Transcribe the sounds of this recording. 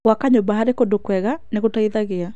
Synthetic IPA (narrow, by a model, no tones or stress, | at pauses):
wakaɲobaɦaɾekondokwɛɣaneɣotaiðaɣea